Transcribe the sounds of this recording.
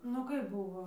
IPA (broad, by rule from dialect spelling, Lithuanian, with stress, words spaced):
nʊ ˈkɐɪp ˈbʊʋoː